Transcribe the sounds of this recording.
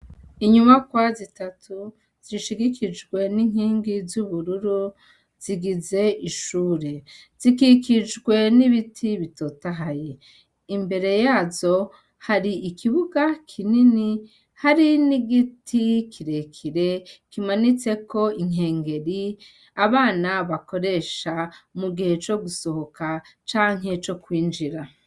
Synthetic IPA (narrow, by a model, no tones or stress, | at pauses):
iɲumakwazitatʰu | z̥iʃiɡikid͡ʒɡwe̞niŋ̥hiːŋɡizuβuɾuɾu | z̥iɡize̞iʃuːɾez̥ikikid͡ʒɡwe̞niβitʰiβitotaɦaje | imbe̞ɾe̞jaːzo̞ | haɾiːkʰiβuɡakʰinini | haɾiniɡitʰikʰiɾe̞kʰiɾe̞kimanit͡se̞ko̞iŋ̥e̞ːŋɡe̞ɾi | aβaːnaβako̞ɾe̞ːʃamuɡihe̞t͡ʃo̞ɡuso̞ho̞kat͡ʃaːŋ̥ɦe̞t͡ʃo̞kwiːnd͡ʒiɾa